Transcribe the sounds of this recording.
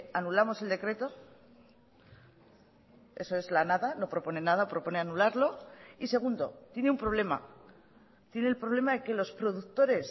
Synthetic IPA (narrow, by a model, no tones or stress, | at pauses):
anulamo̞se̞ld̪e̞kɾe̞t̪o̞ | e̞soezlanaðano̞pɾopo̞ne̞naðapɾo̞po̞ne̞anulaɾlo̞ise̞ɣ̞und̪o̞̰t̪je̞neumpɾo̞β̞le̞ma̰ | t̪je̞ne̞ːlpɾo̞β̞le̞maðeke̞lo̞spɾo̞ðukt̪o̞ɾe̞s